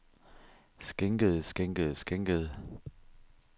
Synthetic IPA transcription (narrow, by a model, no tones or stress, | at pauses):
sɡ̥eŋɡ̥əð̩ˠsɡ̥eŋɡ̥əð̩ˠsɡ̥eŋɡ̥əð̩ˠ